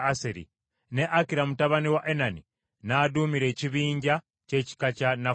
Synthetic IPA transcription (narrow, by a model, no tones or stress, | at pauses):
aseɾḭ | ne̞ʔakiɾamutaβaniwaʔenani | naːdumiɾe̞ːciβiːɲɟa | ce̞ci̥kacana